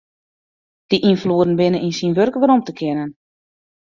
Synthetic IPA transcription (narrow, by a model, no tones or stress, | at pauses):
d̥iʔinfluədn̩bɪnənʔinsinʋørkʋəɾomtəkʰɪnən